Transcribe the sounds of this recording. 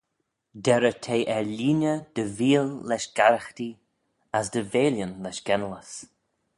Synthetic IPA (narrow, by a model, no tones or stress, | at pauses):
d̪ɛɾət̪ʰeːʔɛɹliːnʲəd̪̥əviːlːɛʃɡ̥aɾəxt̪i | asd̪əveːljənlɛʃɡɛnələs